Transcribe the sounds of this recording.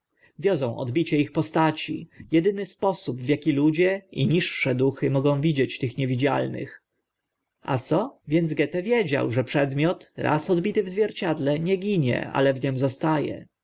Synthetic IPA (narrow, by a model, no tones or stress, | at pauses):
vʲjɔzɔ̃w̃ʔɔ̰d̪bʲit͡ɕɛixpɔst̪at͡ɕḭjɛd̪ɘnɘspɔsubvjakʲilud͡ʑɛḭɲiʂːɛd̪uxɘmɔɡɔ̃w̃vʲid͡ʑɛt͡ɕt̪ɘxɲɛvʲid͡ʑa̰lnɘ̰x | ʔa̰t̪sɔvʲjɛnd̪zɡɛt̪ɛvʲjed͡ʑa̰wʐɛpʂɛd̪mʲjɔt̪ɾa̰sɔd̪bʲit̪ɘvzvʲjɛɾt͡ɕad̪lɛɲɛɡʲiɲɛ̰ʔa̰lɛvɲɛmzɔst̪ajɛ̰